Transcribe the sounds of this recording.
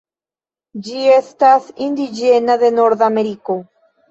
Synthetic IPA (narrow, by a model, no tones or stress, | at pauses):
d͡ʒiest̪asind̪id͡ʒenaðenoɾðameɾiko